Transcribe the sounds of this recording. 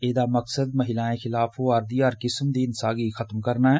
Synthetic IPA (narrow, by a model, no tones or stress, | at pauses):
eːd̪amɐksəd̪mɐɦɪlaːẽxɪlaːfoaːɾd̪iaːɾkɪsmd̪iɪnsaːɡixɐt̪mkɐɾnaɦɛː